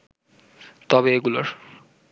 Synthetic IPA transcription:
t̪ɔbeeɡuloɾ

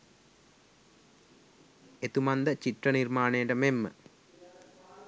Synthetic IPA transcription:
et̪umand̪ət͡ɕiʈrənirmaːnejəʈəmemːə̰

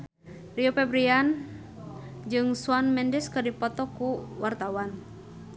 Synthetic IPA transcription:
riopɛbɾian | d͡ʒɨŋsuanmɛndɛskɨrdipɔt̪ɔkuwart̪awan

